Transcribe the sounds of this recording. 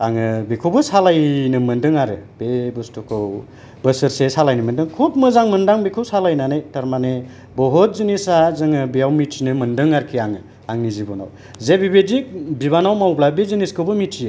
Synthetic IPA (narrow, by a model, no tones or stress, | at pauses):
aŋɯbikʰubɯsalajnɯmɯndɯŋaɾɯb̥ebɯstukʰɯw | bɯsɯɾsesalajnɯmɯndɯŋkʰupmɯzaŋmɯndaŋbekʰɯwsalajnanɯjtaɾmane | bɔɦɔt̚zinisazɯŋɯbijawmitʰinɯmɯndɯŋaɾkʰiaŋɯ | aŋnizibɔna̰w | zebibedik̚biβanawmawblabeziniskʰɯwbɯmitʰij